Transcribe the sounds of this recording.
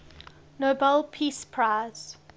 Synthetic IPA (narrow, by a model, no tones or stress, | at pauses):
nobɛlpʰispʰɹaɪz̥